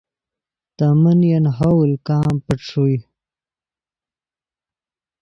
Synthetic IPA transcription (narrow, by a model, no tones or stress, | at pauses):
t̪amənjanɦawlkaːmpəʈ͡ʂʰuj